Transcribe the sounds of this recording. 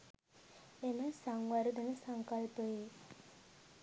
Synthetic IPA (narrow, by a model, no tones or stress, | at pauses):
enəsaŋwaɾud̪enəsəŋkəlpəe